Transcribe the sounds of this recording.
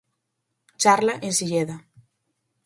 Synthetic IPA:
t͡ʃaɾlaʔensiʎeða

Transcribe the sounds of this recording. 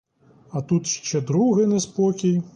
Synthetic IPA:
ɐt̪ut̪ʃt͡ʃɛd̪ɾuɣɨnɛspɔkʲij

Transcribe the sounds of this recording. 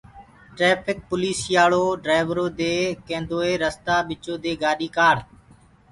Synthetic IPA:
ʈɾeːpʰɪk̚pʊliːsjaːɭoːɖɾaːɪʋɾoːd̪eːkẽːnd̪oːeːɾəst̪aːɓɪt͡ʃoːd̪eːɡaːɗiːkaːɽ

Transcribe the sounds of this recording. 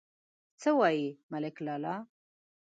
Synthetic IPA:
t͡səwɑjimalɪklɑlɑ

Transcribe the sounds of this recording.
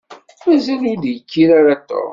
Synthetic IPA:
mæzælidjəkːiɾaɾat̪ːo̰ɾˤ

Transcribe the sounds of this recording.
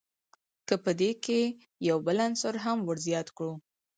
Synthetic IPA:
kəpəd̪eke | jawbəlansoɾɦamwəɾzjɑt̪kɽu

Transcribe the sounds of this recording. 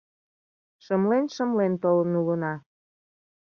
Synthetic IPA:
ʃəmlenʃə̆mlent̪olənulənɑ

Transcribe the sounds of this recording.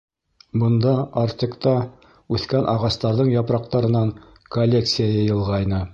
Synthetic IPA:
bɤ̆nd̪ɑɑɾt̪ʲikt̪ɑ | ʉθkænʔɑʁɑst̪ɑɾðɤɴjɑpɾɑq̚t̪ɑɾɤ̆nɑŋ | kɐlʲːe̞kt̪sɨjajɑjɤ̆lˠʁɑjnɤ

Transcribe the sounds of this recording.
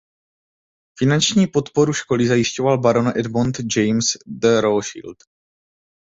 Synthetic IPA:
fɪnant͡ʃɲiːpo̞t̪po̞ɾuʃko̞lɪzajɪʃco̞valbaɾonʔɛdmont̪d͡ʒɛjmsd̪əɾoʃḭlt̪

